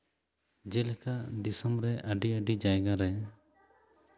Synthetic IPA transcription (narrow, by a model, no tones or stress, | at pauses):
d͡ʒɛlɛkaʔd̪isɔmɾɛʔəɖiəɖid͡ʒajɡaɾɛ